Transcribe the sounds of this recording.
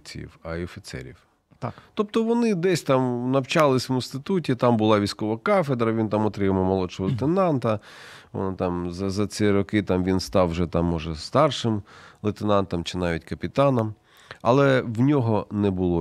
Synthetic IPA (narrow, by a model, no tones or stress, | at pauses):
t͡sʲḭwɐɔfʲit̪sɛ̰ɾʲḭw | t̪at̪ɔp̚t̪ɔʋɔnɪd̪ɛsʲt̪ɑmnɐwt͡ʃɑlˠɪsʲʋɪnst̪ɪt̪utʲit̪ɑmbʊlˠɑʋʲijsʲkɔʋɐkɑfed̪ɾɐʋʲint̪ɑmɔt̪ɾɪmɐmɔlˠɔʃɔɦɔlˠet̪enɑnt̪ɐ | ɔ̰nt̪ɑmzɐzɐt͡s̪ʲɛɾɔkɪt̪ɑmʋʲinst̪ɑwʒɛt̪ɑmːɔʒɛst̪ɑrʃɪmlˠɪt̪enɑnt̪ɐmt͡ʃɪnɑʋʲitʲkɐpʲit̪ɑnɐm | ɐ̰lˠɛwnʲɔɦɔnɛbʊlˠɔ